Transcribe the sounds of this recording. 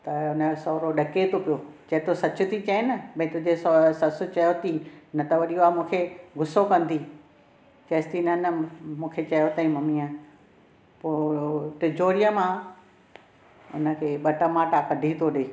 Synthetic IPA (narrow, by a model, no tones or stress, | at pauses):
t̪ɐʊnəsɔːɾoɗɐket̪ʰopijoːt͡ɕɐɦɪt̪osɐt͡ɕʊt̪ʰit͡ɕɐenɐbɐ̃ɦɪ̃t̪ʊ̃d͡ʑessɐsʊ̆t͡ɕɐjot̪inɐt̪ɐʋɐɗijoaːmũːkʰeɡʱʊsokɐ̃nd̪iː | t͡ɕɐːst̪inɐnəmũːkʰet͡ɕɐjot̪ɐĩmɐmia | poːʈɪd͡ʑoːɾijəmã | ʊ̰nə̆kʰeːɓɐʈəmaːʈakɐɖʱit̪ʰoɗeː